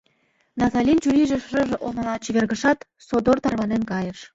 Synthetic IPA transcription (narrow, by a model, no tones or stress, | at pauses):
nɑzɑlʲint͡ɕuɾʲiʒĕʃrɤ̆ʒĕʔomɑ̆lˠɑt͡ɕiβʲerɣə̆ʃɑt̪ | sod̪ort̪ɑrβɑnenkɑjə̆ʃ